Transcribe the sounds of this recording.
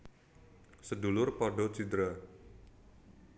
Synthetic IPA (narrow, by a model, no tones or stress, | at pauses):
sədulʊrpɔɖɔt͡ʃid̪ɾa